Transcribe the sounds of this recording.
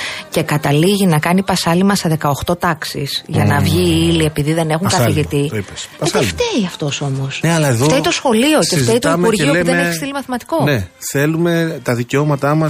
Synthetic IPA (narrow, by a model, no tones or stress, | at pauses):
ce̞kɐt̪ɐliʝinɐkɐnipɐsɐlimɐseðe̞kɐo̞xt̪o̞t̪ɐksḭsʝɐnɐvʝiilie̞piðiðe̞ne̞xuŋkɐθiʝit̪iipeseft̪eiɐft̪o̞so̞mosneɐlɐeðott̪eit̪o̞sxo̞lio̞cefzeit̪oimuɾʝiouðeeçst̪ilimɐθimɐt̪i̥ko̞neθe̞lume̞t̪ɐðiceo̞mɐt̪ɐmɐ